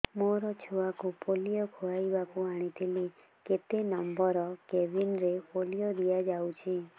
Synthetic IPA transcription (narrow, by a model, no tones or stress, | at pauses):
moɾɔt͡ʃʰuʋakupolijɔkʰoɭajbakuaɽ̃it̪ʰili | ket̪enɔmbɔɾɔkebinɾepolijɔd̪ijad͡ʒawt͡ʃʰi